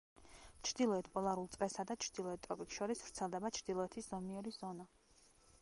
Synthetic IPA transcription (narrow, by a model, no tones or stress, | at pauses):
t͡ʃʰɾd̪̥ilˠɔɛt̪ʰpʼɔlˠaɾulˠt̪sʼɾɛsad̪at͡ʃʰɾd̪ilˠɔɛt̪̚t̪ʼɾɔpʼiksʃɔɾisv̥ɾt̪sʰɛlˠd̪ɛbat͡ʃʰɾd̪ilˠɔɛt̪ʰisz̥ɔmiɛɾizɔna